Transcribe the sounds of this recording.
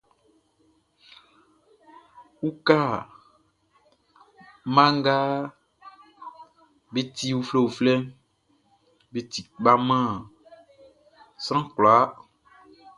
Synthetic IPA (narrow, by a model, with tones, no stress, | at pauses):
wu˦ka˦˨ | mã˦ŋ˦ɡa˦ | be˦t̪i˦wu˦fle˦wu˨flɛ˦m | be˦t̪i˨k͡pa˦mã˦˨ | sɾ̃ã˦klo˨a˦